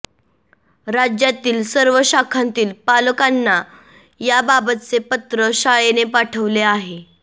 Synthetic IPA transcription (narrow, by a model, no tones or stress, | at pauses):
ɾad͡ʑjat̪iːlsəɾʋəɕakʰant̪iːlpaləkanːa | jababət̪t͡sepət̪ɾəɕaɭenepaʈʰəʋleaɦe